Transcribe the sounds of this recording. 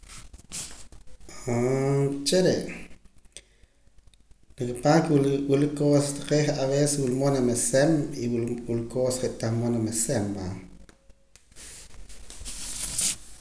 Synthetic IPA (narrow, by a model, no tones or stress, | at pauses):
at͡ʃeɾeʔ | nikpakwulkikulikosat̪ḁqeχʔaβeseswulmonamesemiwululkosχeʔt̪aχmonamesemːa